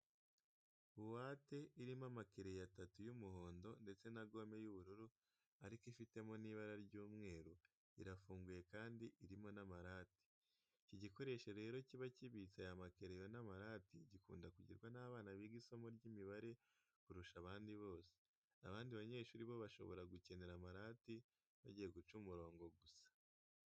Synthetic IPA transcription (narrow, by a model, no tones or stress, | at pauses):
uwaːte̞iɾimamakeɾe̞jatatujumuho̞ːndo̞nde̞t͡se̞naɡo̞me̞juβuɾuɾu | aɾikifite̞moniβaɾaɾɟuːmŋe̞ːɾu | ḭɾafuːŋɡuje̞kaːndiʔiɾimo̞namaɾaːti̥ | ciɟiko̞ɾe̞ʃeɾe̞ːɾo̞ciβaciβit͡sajamake̞ɾejo̞namaɾaːtiɟikṵːndakuɟḭɾɡwanaːβaːnaβiɡiso̞moɾɟiːmiβaɾe̞ | kuɾuʃaβaːndiβo̞ːse̥ | aβaːndiβaɲe̞ːʃuɾiβo̞βaʃo̞̰βo̞̰ɾaɡuce̞ne̞ɾamaɾaːti | βaɟije̞ɡut͡ʃumuɾo̞ːŋɡo̞ɡusḁ